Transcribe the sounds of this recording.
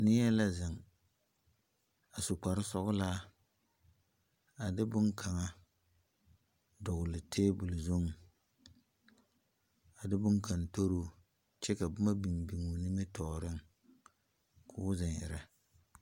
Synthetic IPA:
nɪ˦ɛ˦la˦zɪ˨ŋ | a˨sʊ˨k͡pa˨ɾɪ˦sɔ˦ɣʊ˦laː˦ | a˨dɪ˦bʊ˦nkʰa˨ŋa˦ | dʊ˨ɣʊ˨lɪ˨tʰeː˦bʊ˨lzo˦ŋ˨ | a˨dɪ˦bʊ˦ŋka˨nto˦ɾoː˦ | t͡ʃɛ˦ka˨bʊ˦ma˦bi˨mbi˨ŋu˨nɪ˦mɪ˦tʰɔː˨ɾɪ˦ŋ˨ | kʰʊː˦zɪ˨nɪ̰˨ɾɛ˨

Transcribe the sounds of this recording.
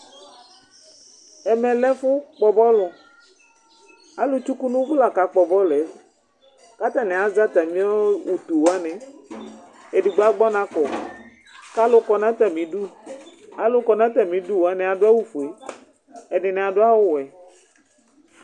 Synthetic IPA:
ɛ˨mɛ̃˨lɛ˦fʊ˦k͡pɔ˨bɔ˦lɔ˨ | a˨lo˦t͡ʃu˦ku˦nũ˦bla˨ka˨k͡pɔ˨bɔ˦lɛ˨˦ | ka˦t̪a˦nɛ̃˨a˨za˦t̪a˨mĩ˦ɔ˦u˨t̪u˨wa˦nɛ̃˨ | e˨di˨ɡ͡ba˦ɡ͡bɔ˦nã˨kɔ˨ | ka˦lʊ˦kɔ˨nã˦t̪a˨mĩ˨du˦ | a˨lʊ˦kɔ˨nã˦t̪a˨mĩ˨du˦wa˦nɛ̃˨a˨dʊ˦a˦wu˦fu˨e˨ | ɛ˨nɪ˨nɛ̃˨a˨dʊ˦a˦wʊ˦wɛ˨

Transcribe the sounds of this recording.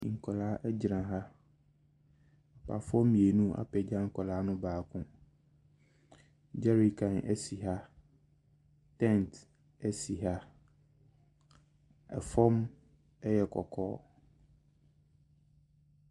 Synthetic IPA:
ŋ̩˨kʰɔ˨laː˨˦ʔɛ˦d͡ʑɾã˨ɦa˦ | a˨pʰa̰˨fʊ˦ɔ˦mĩ˨e˨nũ˦a̰˨pɛ˨d͡ʑã˦ŋ̩˨kʰɔ˨laː˨˦nʊ̃˦baː˨kʰʊ̃˦ | d͡ʒɛ˦ɾi˨kʰã˨nʔɛ˦si˨ɦa˦ | tʰɛ̃˦˨nt | ɛ˦si˨ɦa˦ | ɛ̰˨fɔ̃˦m | ɛ˦jɛ˨kʰɔ̰˨kʰɔː˦

